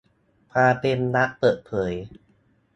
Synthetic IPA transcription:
pʰaː˧t̪e˧mna˦˥ʔpɤː˨˩t̪̚pʰɤː˩˦j

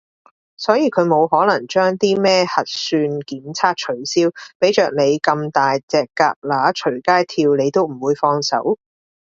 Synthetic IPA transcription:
sɔː˨˥jiː˨˧kʰɵ˨˧ɥmo˨˧wɦɔː˨˥lɐ˨˩ŋt͡ʃœː˥ŋt̪iː˥mɛː˥hɐ˨t̚syː˧nkiː˨˥mt͡sʰaː˥k̚t͡ʃʰɵ˨˩ɥsiː˥wpe˨˥jt͡ʃœː˨k̚ne˨˧jkɐ˧mt̪aː˨jt͡sɛː˨kːaː˧k̚laː˨˥t͡ʃʰɵ˨˩kaː˥jt̪ʰiː˧wne˨˧jt̪o˥wm̩˨˩wuː˨˧jfɔː˧ŋsɐ̰˨˥w

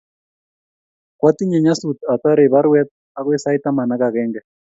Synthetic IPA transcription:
kwa˦t̪i˦ɲɛ˨ɲa˦su˨t̪a˨t̪a˦ɾe˨βa˦ɾwɛ˦t̪̚ | a˦kwɛ˦sa˦i˦t̪a˦ma˨na˦ka˨kɛ˦ŋɡɛ˨

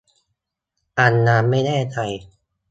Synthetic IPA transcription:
ʔa˧nːaː˧mːa˥˩jnɛː˥˩t͡ɕa˧j

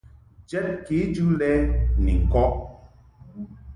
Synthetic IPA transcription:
d͡ʒɛ˦t̚ki˨˦d͡ʒu˦lɛ˦nḭ˨ŋ̩˨kɔ˦ʔ

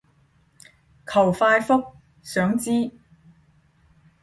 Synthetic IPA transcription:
kʰɐ˨˩wfaː˧jfʊ˥k̚ | sœː˨˥ŋt͡siː˥

